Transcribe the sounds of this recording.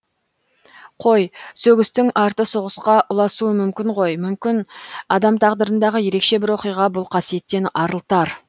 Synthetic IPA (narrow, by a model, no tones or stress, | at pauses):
qʰo̞jsɵɡʲɪst̪ɪŋʔɑɾt̪əsoʁəsqɑʔʊlˠɑsuəmʏmkʲɪɴʁo̞jmʏmkʲɪnɑd̪ɑmt̪ʰɑʁd̪əɾənd̪ɑʁəje̞ɾe̞kʃe̞bɪɾwo̞qijʁɑbʊlˠqʰɑsije̞t̪ːe̞nɑɾəlˠt̪ɑɾ